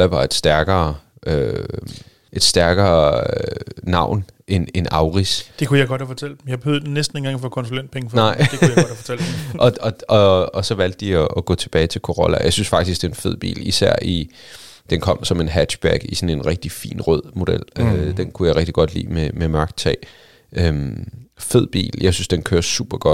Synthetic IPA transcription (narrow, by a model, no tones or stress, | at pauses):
æʋɑ̈e̝d̥sd̥æɐɡ̥ɐː | ʔø | e̝d̥sd̥æɐɡ̥ɐː | nɑ̈ʊ̰n | ʔenenɑ̈ʊʁisd̥e̝kujäɪɡɒd̥hæfɒt͡sʰel̰d̥̚m̩jaɪbehøðˠdnesd̥n̩eŋɡɑ̈ŋfɒkʰɒ̽nsulen̰d̥pʰeŋəfnɑ̈ɪ̰ejaɡft͡sʰelʔɒ̽ɒ̽ɒɒsɒ̽ʋæl̰d̥ːiɒʔːɡ̥ɔ̰̽ːt͡sʰe̝b̥ɛːɪt͡sʰe̝lkʰo̝ʁɒlæjɑ̈ɪsynsfɑ̈ɡ̥d̥isɡ̥d̥e̝enfe̝ð̞̰ˠb̥ḭːlisæɐ̰ʔi | d̥enkʰɒ̽m̰sɒ̽me̝nɦæ̥ɕb̥æɡ̥isɒ̽ne̝nʁɛɡ̥̚d̥ifḭːnʁœð̰ˠmo̝d̥el̰ød̥enkʰujɑɪʁɛɡ̥̚d̥iɡ̥ɒ̽d̥lḭːmememɶɐɡ̥t͡sʰɛ̰ɪ | ʔømfe̝ð̞̰ˠb̥ḭːljʔɑ̈ɪsynsd̥enkʰøːɐsṵːb̥ɐɡ̥ɒ̽d̥